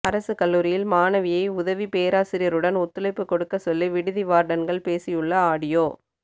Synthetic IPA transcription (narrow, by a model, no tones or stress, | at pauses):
ɐɾɐsɯkɐlːuːɾɪjɪlmaːnɐʋɪjɐɪʊðɐʋipeːɾaːsɪɾɪjɐɾɯɽɐnɔt̪ːɯlɐɪpːɯkːɔɽɯkːɐsɔlːiʋɪɽɯðɪʋaːɾɖɐnɡɐɭpeːsɪjɯɭːɐaːɽɪjoː